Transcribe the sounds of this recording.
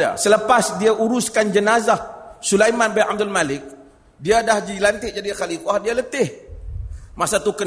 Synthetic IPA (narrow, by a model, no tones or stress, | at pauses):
a̰sələpasdiaʔuɾuskand͡ʒənazahsulajmanbɛnʔab̚d̪almalɪk̚ | diadahd͡ʒilant̪ɪʔd͡ʒadikalikuaɦdialət̪ɪh | masat̪ukə